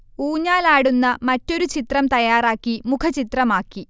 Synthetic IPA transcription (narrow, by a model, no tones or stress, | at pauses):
uːɲaːlaːɽunːɐmɐtːo̞ɾut͡ɕit̪rɐmt̪ɐjaːraːkːimukʰɐt͡ɕit̪rɐmaːkːi